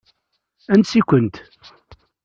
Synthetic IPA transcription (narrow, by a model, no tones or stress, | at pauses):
ænt̪sikʷənt̪